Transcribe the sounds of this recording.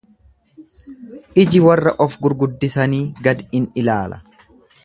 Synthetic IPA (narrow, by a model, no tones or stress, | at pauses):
ʔɪd͡ʒɪwɐrːɐʔɔfɡʊɾɡʊd̪ːɪsɐniːɡɐd̪ɪnɪlaːlʔɐ̥